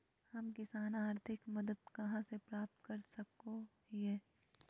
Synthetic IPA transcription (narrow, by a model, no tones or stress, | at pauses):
hɐmkɪsaːnaːɾt̪ʰɪkmɐd̪əd̪kɐɦãsepɾaːp̚t̪kɐɾsɐko | iɛː